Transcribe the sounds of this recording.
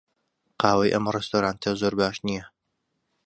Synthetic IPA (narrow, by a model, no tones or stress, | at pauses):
qɑːwɐjʔɐ̰mrɛst̪oːɾaːnt̪ʰɐzoːɾbaːʃnijɛ